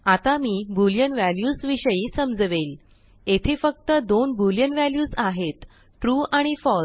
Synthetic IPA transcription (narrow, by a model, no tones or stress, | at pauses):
at̪amiːbuljənʋæljuːsʋiɕəjiːsəmd͡zʋel | et̪ʰiːfək̚t̪əd̪onbuljənʋæljuːsaɦet̪ | ʈɾuaɽ̃ifɔ